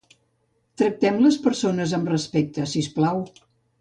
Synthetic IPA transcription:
t̪ɾək̚t̪ɛmləspəɾsonəzəmrəspɛk̚t̪əsisplaw

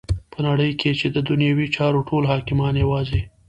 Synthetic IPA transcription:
pənaɽəjkʰet͡ʃed̪əd̪ʊnjɑwit͡ʃɑɾoʈʰolɦɑkɪmɑnjewɑzi

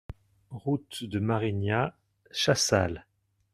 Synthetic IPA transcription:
ʁut̪d̪əmaʁinja | ʃasal

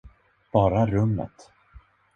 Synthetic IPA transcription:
b̥ɑːɾaɾɵmːə̰t̪

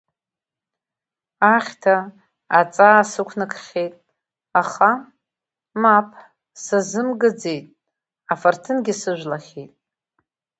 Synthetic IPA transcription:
aχʲtʰaː | t͡sʼasɨkʷʰnɨkʰʼχʲejtʼ | aχa | mapʰ | sazɨmɡɨd͡ze̞jtʼ | afartʰɨnɡʲɪsɨʒᶣʷlaχʲejtʼ

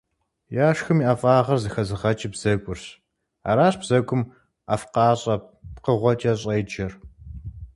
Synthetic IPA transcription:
jaːʂxɨmiːʔafʼaːʁɐrzɨxɐzɨʁɐt͡ʃʼɪbz̥ɐkʷʼʊrɕ | a̰ːɾaːɕʼb̥z̥ɐɡʷʊm | a̰fqɑːɕʼɐqəʁʷɔt͡ʃʼɐɕʼɐjd͡ʒɐr

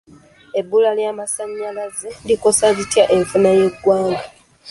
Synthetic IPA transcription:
e̞bːulaljamasaɲːalazediko̞sazitjaʔe̞ɱfunaje̞ɡwaːŋɡa

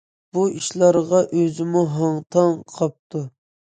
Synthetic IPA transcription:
b̥uiʃlˠɑɾʁɑʔøzɪmuɦɑŋt̪ʰɑŋqʰɑp̚t̪ʰu

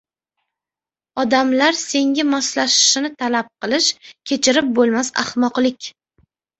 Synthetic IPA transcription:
ɒd̪amlaɾse̞ŋʲamɒslaʃɪ̥ʃɪnɪt̪ʰalap̚qʰɨlˠɪʃkʲʰe̞t͡ʃʰɪɾɪp̚bolˠmasa̰hmɒqlɪkʲ

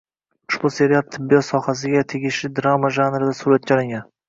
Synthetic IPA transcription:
ʊ̥ʃbʊse̞ɾijal̚ˠt̪ʰɪbːijɒt̪sɒhasɪɡʲat̪ʰeɡʲɪʃlɪd̪ɾamaʒanɾɪd̪asuɾat̪̚t͡ʃʰɒlˠɪŋʲan

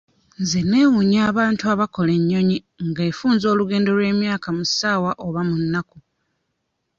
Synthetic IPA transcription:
nzene̞wuɲaːβaːntuaβako̞le̞ɲːo̞ɲi | ŋɡeːfuːnzo̞ːluɡe̞ːndo̞lwe̞ːmjaːkamusaːwaʔoβamunːaku

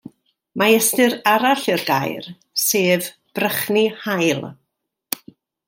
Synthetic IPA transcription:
maɛstɨɾaɾaɬɪrɡa̰jr | seːv | b̥rəχnihajlˠ

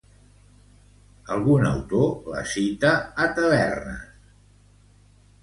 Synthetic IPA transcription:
əlˠɣunə̰wt̪olə̰sit̪əːt̪əβɛrnə̰

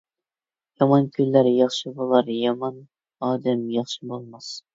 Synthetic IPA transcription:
jɑmɑnkʲʰylːæɾjɑχʃɨbolˠɑɾjɑmɑn | ɑːd̪ɛmjɑχʃɨbolˠmɑs

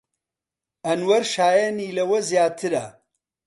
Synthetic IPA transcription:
ɐnwɐɾʃaːjeniːlɐwɐzjaːt̪ʰɨɾa̰

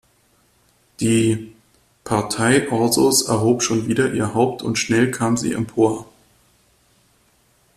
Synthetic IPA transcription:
d̥iː | pʰaɐtʰaɪʔɔɐzosɛɐɦoːpʃoːnviːdɐʔiːɐɦaʊp̚tʰʊntʃnɛlkʰaːmzḭːɛ̰mpʰoːɐ

